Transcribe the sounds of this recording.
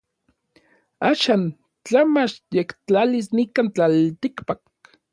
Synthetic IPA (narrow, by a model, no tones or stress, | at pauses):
aːʃaːn | t͡ɬamat͡ʃjekt͡ɬalisnikant͡ɬalt̪ikpak̚